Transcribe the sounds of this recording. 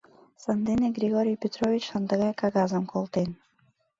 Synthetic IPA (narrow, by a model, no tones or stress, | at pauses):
sɑnd̪eneɡrʲiɣoɾʲijpʲet̪rovʲit͡ɕsɑnd̪əɣɑjkɑɣɑzəmkʰolˠt̪en